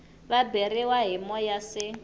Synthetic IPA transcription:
βabeɾiwaɦimɔjasɪ

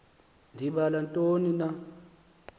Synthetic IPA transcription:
ndʱiɓalantʼonina

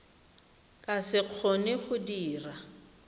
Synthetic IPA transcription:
kʼasɪq͡χʰonɪχʊdiːra

